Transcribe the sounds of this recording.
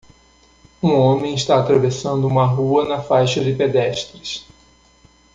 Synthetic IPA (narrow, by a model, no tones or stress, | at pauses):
ũõmẽj̃iʃt̪aːt̪ɾavesɐ̃nd̪ʊũmɐɦuɐnɐfajʃɐd͡ʒɪped̪ɛʃt̪ɾɪs